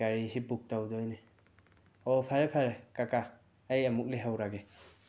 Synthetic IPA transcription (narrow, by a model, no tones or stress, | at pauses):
aɾisibuk̚tawdɔjne | ɔpʰaɾepʰaɾekaka | ejamuk̚liɦawɾaɡe